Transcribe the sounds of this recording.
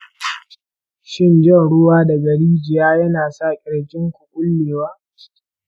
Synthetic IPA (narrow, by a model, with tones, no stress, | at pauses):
ʃɪ˦nd͡ʒɐ˦˨ɽʊ˦waː˦da˨ɡɐ˨ɽiː˦d͡ʒɪ˨jaː˦jɐ˦naː˨sa˦˨kʲʼɪ˨ɽkʲɪ˦ŋkʷu˨kʷʼʊ˦lːeː˨waː˦